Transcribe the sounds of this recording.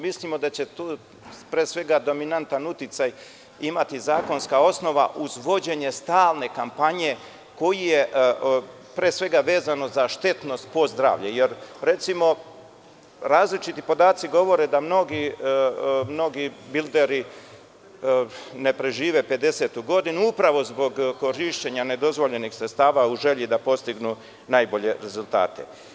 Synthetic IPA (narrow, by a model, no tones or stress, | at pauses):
mislimo̞d̪at͡ɕe̞t̪uː | pɾeːsʋe̞ɡad̪o̞minant̪anut̪it̪saj | imat̪izaːko̞nskao̞sno̞ʋa̰ʔuzʋo̞d͡ʑe̞ɲe̞st̪aːlˠne̞kampaɲe̞ | ko̞jijeʔ | pɾeːsʋe̞ɡaʋe̞ːzano̞zaʃt̪e̞t̪no̞st̪̚po̞zd̪ɾa̰ːʋʎejeɾɾe̞t̪simo̞ | ɾaːzlit͡ʃit̪ipo̞d̪aːt̪siɡo̞ʋo̞ɾe̞d̪amno̞ɡi | mno̞ɡibild̪eɾi | ne̞pɾeʒiːʋe̞pe̞d̪e̞se̞t̪uɡo̞d̪inuupɾaʋo̞zbo̞ɡko̞ɾiʃt͡ɕe̞ɲane̞d̪o̞zʋo̞ʎe̞nixsɾet̪st̪aːʋauʒe̞ʎid̪apo̞st̪iɡnu | najbo̞ʎe̞ɾe̞zulˠt̪a̰ːt̪e̞̰